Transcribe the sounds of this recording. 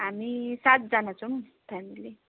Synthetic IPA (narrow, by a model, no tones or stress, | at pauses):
ɦamisat̪̚d͡zanat͡sʰʌm | t̪ʰamile